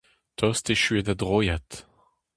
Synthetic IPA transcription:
t̪ɔst̪eʃyed̪adʁojat

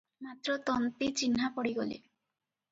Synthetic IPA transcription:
mat̪ɾɔt̪ɔnt̪it͡ʃinɦapɔɽiɡolḭ

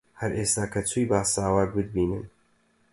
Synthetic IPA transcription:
hɐɾʔeːst̪aːkʰɐt͡sʰujbaːsaːwak̚bɨd̪̚biːnɨ̰n

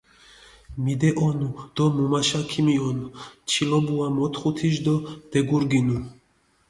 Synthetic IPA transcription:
mid̪ɛʔɔnud̪̥ɔmumaʃakʰimiɔnt͡ʃʰilɔbuamɔt̪χut̪ʰiʃd̪ɔd̪̥ɛɡuɾɡinu

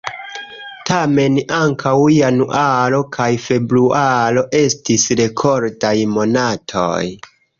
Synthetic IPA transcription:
tame̞naŋkʰawianuʔalo̞kʰajfe̞bɾualo̞ʔe̞stisɾe̞kʰo̞ɾdajmo̞natʰo̰j

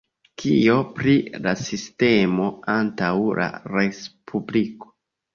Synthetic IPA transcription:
kʰio̞pɾilasiste̞mo̞antawla̰ɾespʰubliko̥

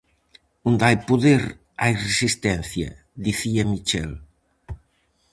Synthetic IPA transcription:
und̪ajpuðeɾ | ajresist̪ɛn̟θjɐ̰ | d̪iθiamit͡ʃɛl

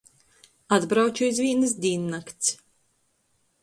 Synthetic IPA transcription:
ad̪bɾawt͡ʃuizvʲiːnɨs̬d̪ʲiːnːakt̪s

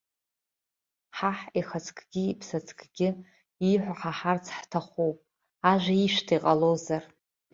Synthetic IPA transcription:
ħaħiχat͡sʰkʰʼɡʲɪipʰsat͡sʰkʰʼɡʲɪ | iħʷaħaħart͡sʰħtʰaχʷuwpʼ | aʒʷaiʃʷtʰijqʼalozar

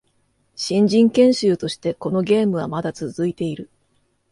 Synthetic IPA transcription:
ɕĩɲ̟d͡ʑĩŋkẽ̞ɰ̃ɕɨːt̪o̞ɕi̥t̪e̞ko̞no̞ɡʲe̞ːmɯ̟β̞amad̪at͡sɨzɨit̪e̞iɾɯ̟

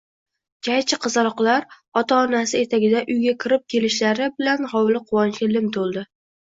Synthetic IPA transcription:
d͡ʒʲajt͡ʃʰɪqʰɨzɑɾɒqlˠaɾ | ɒt̪ʰaɒnasɪe̞t̪ʰaɡʲɪd̪aʔʊjɡʲakʲʰɪɾɪp̚kʲʰe̞lɪʃlaɾɪbɪlanhɒwlɪqʰʊwɒnt͡ʃkʲɪlɪmt̪ʰolˠd̪ɪ

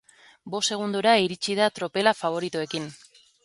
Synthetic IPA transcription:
bo̞se̞ɣ̞und̪uɾaiɾit͡ʃið̞at̪ɾo̞pe̞lafaβ̞o̞ɾit̪ue̞kin

